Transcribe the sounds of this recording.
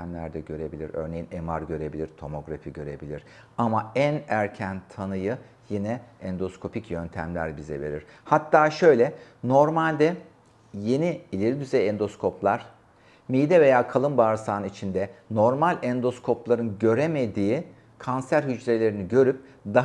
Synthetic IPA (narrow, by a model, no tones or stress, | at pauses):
æmlʲæ̰ɾd̪ɛɟø̞ɾe̞bilʲiɾø̰ɾne̞jinema̰ɾɟø̞ɾe̞bilʲiɾt̪ʰo̞mo̞ɡɾa̰fiɟø̞ɾḛbilʲiɾ̥ | amaænæɾcʰænt̪ʰanɯjɯ | jinɛɛnd̪o̞skʰo̞picʰjø̞nt̪ʰæmlʲæ̰ɾbizɛ̰ve̞̰ɾḭɾ̥ | hat̪ʰːaːʃø̞jlʲɛ | no̞ɾmalʲd̪ɛ | je̞niilʲeɾid̪yzejɛnd̪o̞skʰo̞pʰlˠaɾ̥ | mijd̪ɛve̞jaːkʰalˠɯmbaːɾsaːnit͡ʃʰind̪ɛno̞ɾmalʲɛnd̪o̞skʰo̞plˠaɾɯnɟø̞ɾeme̞d̪iː | kʰansæɾɦyd͡ʒɾe̞lʲe̞ɾiniɟø̞ɾyp̚d̪a